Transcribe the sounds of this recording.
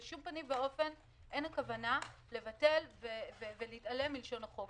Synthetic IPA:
ʃumpanimveo̞fe̞n | ʔe̞nakavanale̞vate̞lvevevelitale̞mːilʃo̞naχo̞v

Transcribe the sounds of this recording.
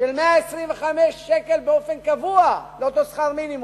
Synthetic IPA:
ʃelmeaesʁimveχameʃːekelbeofenkavualeot̪osχaʁminim

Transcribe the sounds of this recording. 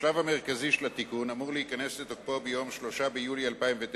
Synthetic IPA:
ʃlavame̞ʁkaziʃelat̪ikunamuʁleikane̞set̪ok̚pobejo̞mʃlo̞ʃabejulialpaimvet̪

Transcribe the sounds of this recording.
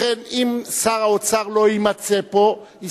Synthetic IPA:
enimsaʁaot͡saʁloimat͡sepo̞ | i

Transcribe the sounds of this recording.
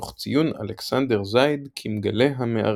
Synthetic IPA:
χt͡sijuna̰leksand̪eʁzajd̪kʰimɡaleɦameʔa̰

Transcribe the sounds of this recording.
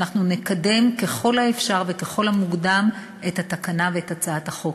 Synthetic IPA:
naχnunekade̞mke̞χo̞lhaefʃaʁve̞ke̞χo̞lhamuɡdam | e̞thatakanaveetat͡saathaχo̞k

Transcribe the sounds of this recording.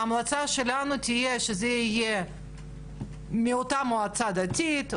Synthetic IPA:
amlat͡saʃelanut̪ʲijeʃezɛije | mʲiot̪amoat͡sad̪atʲit̪

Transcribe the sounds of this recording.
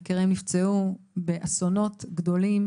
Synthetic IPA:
keʁimnift͡seu | beʔaso̞no̞tɡdo̞lim

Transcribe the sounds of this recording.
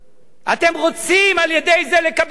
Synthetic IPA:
at̪e̞mʁo̞t͡simaljed̪e̞jze̞le̞kab

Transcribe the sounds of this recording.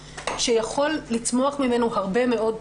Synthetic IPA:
ʃejaχo̞lːit͡smo̞aχmime̞nuhaʁbe̞me̞o̞d

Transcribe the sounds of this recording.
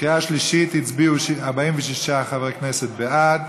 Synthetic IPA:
iaʃliʃit̪hit͡sbiuʃaʁbaimvɛʃiʃaχavʁɛknɛsɛt̪̚bead̚

